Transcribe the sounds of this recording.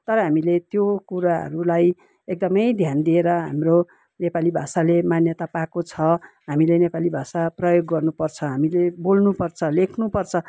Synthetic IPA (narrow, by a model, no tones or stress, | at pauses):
t̪ʌɾʌɦamilet̪jokuɾaɦʌ̰ɾulaj | ek̚d̪ʌmʌjd̪ʱjand̪ieɾʌɦa̰mro | nepalibʱasalemanjʌt̪apakot͡sʰʌ | ɦamilenepalibʱasaprʌjoɡːʌrnupʌrt͡sʰʌɦamilebolnupʌrt͡sʰʌlekʰnupʌrt͡sʰʌ